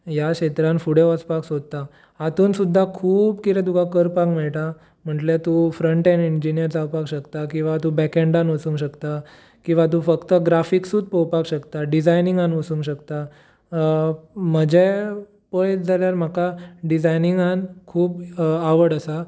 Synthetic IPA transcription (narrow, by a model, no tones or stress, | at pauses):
jakɕet̪ɾãnfuɽeʋəspaksod̪̚t̪a | at̪uːnsud̪ʱːakʰuːbkiɾɛ̃t̪ukakəɾpakmɛɭʈ̪a | m̤əʈlet̪ufɾəɳʈenind͡ʑinijəɾt͡sawpakɕəkt̪akĩw̃ʋat̪ũbɛkẽɳɖãnʋəsuŋɡɕəkt̪a | kĩw̃ʋat̪̬ũfəkt̪əɡɾafiksuːd̪̚pəwpakɕəkt̪aɖid͡zajniŋɡanʋəsũŋɡɕəkt̪a | məd͡ʑʱe | pəjd͡zaljaɾm̤akaɖid͡zajniŋɡankʰuːbaʋəɽəsa